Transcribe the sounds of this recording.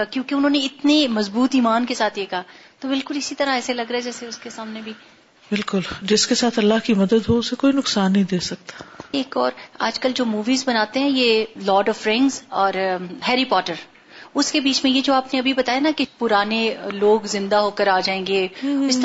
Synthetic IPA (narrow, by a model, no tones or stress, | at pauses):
akjõːkeʊnɦõːneɪt̪nemɐzbuːt̪iːmaːnkesaːt̪ʰjekaɦaːt̪obɪlkʊlɪsit̪ɐɾãɛːselɐɡɾɐɛd͡ʒɛːseʊskesaːmnebʱiː | bɪlkʊld͡ʒɪskesaːt̪ʰɐlːaɦkimɐd̪əd̪ɦoʊsekoːinʊksaːnːɐɦĩd̪eːsɐk̚t̪ḁeːkɔːɾaːd͡ʒkɐld͡ʒoːmuːʋiːzbɐnaːt̪ẽɦɛ̃jelɔːɖɔːfɾɛ̃ːŋɡzɔːɾɦɛːɾipɔːʈəɾ | ʊskebiːt͡ʃmẽjed͡ʒoːaːpneɐbʱibɐt̪aːjenakipʊɾaːneloːɡzɪ̃nd̪aɦoːkəɾaːd͡ʒaːẽːŋɡeːɪst̪